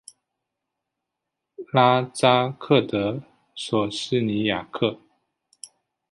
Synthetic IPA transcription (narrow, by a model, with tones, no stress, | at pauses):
la˥t͡sa˥kʰɤ˥˩t̪ə˧˦ | swɔ˨˩ʂɻ̩˥˩ni˧˥ja˨˩kʰɤ˥˩